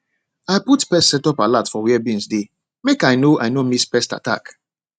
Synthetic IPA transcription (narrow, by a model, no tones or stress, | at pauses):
ajputpɛstsɛtɔpalatfɔwiɛbĩnsde | mekaɪnoʔajnomispɛsta̰ta̰k